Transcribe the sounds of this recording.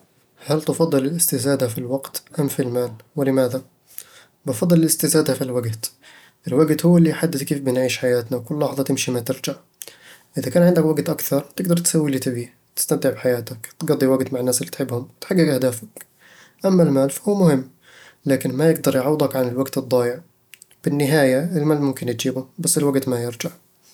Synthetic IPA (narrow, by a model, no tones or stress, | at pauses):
halt̪ɑfɑd̪ˤːɨlɪlʔɪst̪ɪzaːd̪afilwaɡt̪ʔamfilmaːlwɪlɪmaːða | bɪfɑd̪ˤːɨlɪlɪst̪ɪzaːd̪afilwaɡt̪ | ʔɪlwaɡt̪hʊwːalːiːħad̪ːɪθkeːfbɪnʕiːʃħajaːt̪nawkʊlːɑːħðˤɑt̪ɪmʃimat̪ɪɾd͡ʒaʕ | ʔɪðakaːnʕɪnd̪akwaɡt̪ʔakθɑɾˤt̪ɪɡ̚d̪ɑɾˤt̪sawːiliːt̪ɪbiː | t̪ɪ̥st̪amt̪ɪʕbɪħajaːt̪akt̪ɡɑd̪ˤːiwaɡt̪maʕɪnːaːsɪlːiːt̪ħɪbːhʊmwɪt̪ħaɡːɪɡʔahd̪aːfak | ʔamːalmaːlfḁhuwːmʊhɪmː | laːkɪnmajɪɡd̪ɑɾˤjʕɑwːd̪ˤɑkʕanɪlwaɡt̪ɨd̪ˤːɑːjɪʕ | b̥ɪnːɪɦaːjaɪlmaːlmʊmkɪnt̪d͡ʒiːbʊbasːɪlwaɡt̪majɪɾd͡ʒaʕ